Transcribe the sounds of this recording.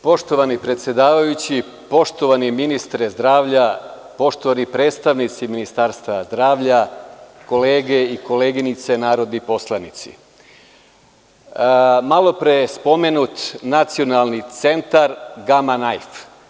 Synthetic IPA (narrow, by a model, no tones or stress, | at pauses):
po̞ʃt̪o̞ʋanipɾet̪sʲjed̪aːʋajut͡ɕi | po̞ʃt̪o̞ʋaniminist̪ɾezd̪ɾaːʋʎa | po̞ʃt̪oʋanipɾe̞ːt̪st̪aʋnit̪siminist̪aːɾst̪aazd̪ɾaːʋʎako̞le̞ːɡe̞iko̞leːɡinit̪se̞naːɾo̞d̪nipo̞slˠanit̪sḭ | malˠo̞pɾejespo̞menut̪nat̪sio̞nalˠnit̪se̞nt̪aɾɡamanajf